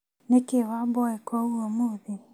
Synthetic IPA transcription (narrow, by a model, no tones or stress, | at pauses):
nekewabɔekwɔuɔmuði